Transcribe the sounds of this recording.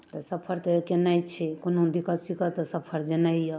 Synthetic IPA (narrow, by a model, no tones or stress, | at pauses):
t̪əsəpʰəɾt̪əkenajt͡ʃʰɛkonõd̪ikət̪sikət̪ɔsəpʰəɾd͡ʒenajjə